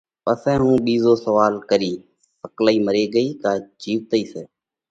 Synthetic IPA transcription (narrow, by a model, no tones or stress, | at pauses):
pəsɛ̃ːɦũːɓiːzoːsəʋaːlkəɾiː | pəklaːiːməɾeːɡəiːkaːd͡ʒiːʋt̪əiːseː